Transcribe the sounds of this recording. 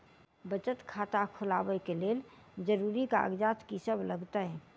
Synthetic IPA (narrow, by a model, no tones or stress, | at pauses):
bət͡ʃət̪kʰaːt̪akʰʊla̰ːbəkeleːl | d͡ʒəɾuːɾika̰ɡd͡ʒaːt̪kisəbləɡt̪aɦɛː